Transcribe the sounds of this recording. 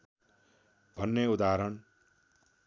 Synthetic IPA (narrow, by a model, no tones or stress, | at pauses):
bʱʌnːeud̪aɾʌn